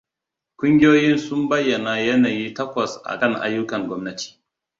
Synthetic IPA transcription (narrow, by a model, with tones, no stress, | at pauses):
kʷʊ˦ŋɡʲɪ˦joː˦jɪ˦nsʊ˦mbɐ˦jːɐ˨naː˨jɐ˦naː˨jiː˦tɐ˦kʷɐ˨sʔa̰˨kɐ˦˨ŋʔa̰˦jːʊ˦kɐ˨ŋɡʷɔ˦mnɐ˦tʰi̥ː˨